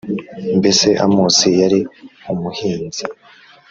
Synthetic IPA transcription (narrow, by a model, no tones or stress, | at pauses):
mbese̞ʔamuːsijaɾiumuhiːnzi